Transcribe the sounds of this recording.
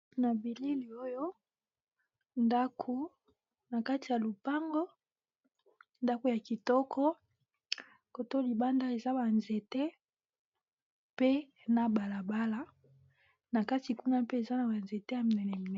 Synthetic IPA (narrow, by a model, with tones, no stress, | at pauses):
na˨bi˨li˦li˨o˦jo˦ | nda˦kʰu˦ | na˨ka˦ti˨ja˨lu˨pa˦ŋɡɔ˦ | nda˦ko˦˨ja˨ki˨tɔ˦kʰɔ˦ | ko˨to˦li˨ba˦nda˦e˨za˦ba˨nze˨tɛ˦ | pe˦ | na˨ba˨la˨ba˦la˦ | na˨ka˦ti˨ku˦na˦pe˦e˨za˦na˨ba˨nze˨te˦ja˨mi˨nɛ˨nɛ˨mi˨nɛ˨